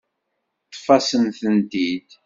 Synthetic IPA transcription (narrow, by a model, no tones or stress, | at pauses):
t̪ˤːfɑsənθənd̪id̪